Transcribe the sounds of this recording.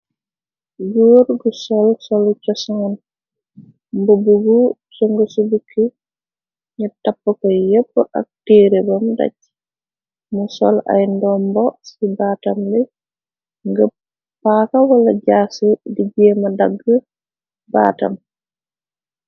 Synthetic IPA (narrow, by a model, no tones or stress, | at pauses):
joːɾɡusɔlsɔlucɔsɔŋɐn | mbobuɡu | sɔŋɡəsubukʰːi | ɲutapːəkɔjepːəʔɐ̰k̚teːɾebɐmdɐ̰c̚ | musɔla̰jndɔmbɔsibaːtɐmbɛ | ŋɡə | pakɐwɐlɐɟaːsudiɟɛmɐdaɡːə | baːtɐ̰m